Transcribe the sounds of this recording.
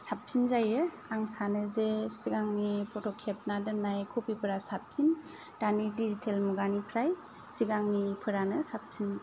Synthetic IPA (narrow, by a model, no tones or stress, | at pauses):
sap̚tʰinzajɯ | aŋsanɯzesiɡaŋnipʰɔtɔkʰep̚nadɯnːajkʰupipʰɯɾasap̚tʰin | d̥anidizitʰelmuɡanipʰɾaj | siɡaŋnipʰɯɾanɯsap̚tʰin